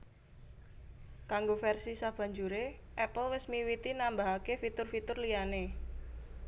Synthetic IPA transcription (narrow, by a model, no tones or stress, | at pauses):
kaŋɡofɛrsisab̥ä̤ɲd͡ʒuɾe | ʔɛpəlwɪsmiwit̪inambaɦakefit̪ʊrfit̪ʊrlijane